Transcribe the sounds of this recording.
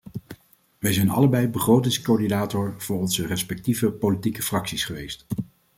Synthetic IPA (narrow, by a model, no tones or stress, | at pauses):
ʋɛjzɛjnɑ̰ləbɛjbəχrowtɪŋskoːdinaːtɔɹv̥ʊːɹɔnzərɛspɛk̚tivəpowlitikəfrɑksisχəʋejst